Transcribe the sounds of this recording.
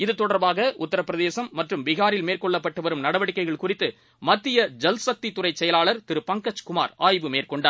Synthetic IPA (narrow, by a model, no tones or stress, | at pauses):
ɪðɯt̪ːɔɽɐɾbaːɣɐʔʊt̪ːɐɾɐpːɪɾɐðeːsɐmːɐʈrɯmʋɪɣaːɾɪlmeːrkɔɭːɐpːɐʈːɯʋɐɾɯmnɐɽɐʋɐɽɪkːɐɪɣɐɭkʊrɪt̪ːɯ | mɐt̪ːɪjɐd͡ʒɐlsɐk̚t̪it̪ːʊrɐɪt͡ʃːɛjɐlaːɭɐɾt̪ɪɾɯpɐŋkɐt͡ʃkʊma̰ːɾaːjʋɯmeːrkɔɳɖaː